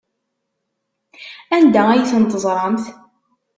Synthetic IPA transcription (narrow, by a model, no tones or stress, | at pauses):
ænd̪ææjθənt̪əzˤɾˤɑmθ